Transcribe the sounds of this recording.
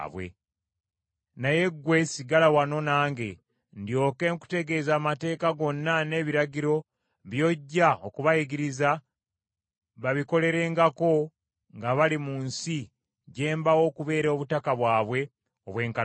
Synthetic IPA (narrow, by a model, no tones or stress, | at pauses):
βwe̞̰ | naje̞ɡwe̞siɡalawano̞naːŋɡe̞ | ndjo̞ːke̞ŋku̥te̞ɡe̞zaːmate̞ːkaɡo̞nːane̞ːβiɾaɟiɾo̞ | βjo̞ɟːaokuβajiɡiɾiza | βaβiko̞le̞ɾe̞ːŋɡako̞ | ŋɡaβalimuːnsi | ɟe̞ːmbawo̞kuβe̞ːɾo̞βutakaβwaːβwe̞ | oβwe̞ːŋka